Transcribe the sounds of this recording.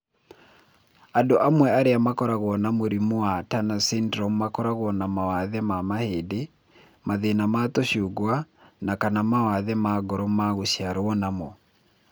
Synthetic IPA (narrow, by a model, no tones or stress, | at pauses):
adoʔamwɛaɾeamakɔɾaɣɔnamoɾimoatanasindɾɔmːakɔɾaɣɔnamawaðɛmamahede | maðenamatoɕuɡwanakanamawaðɛmaɡɔɾɔmaɣoɕiaɾoɔnamɔ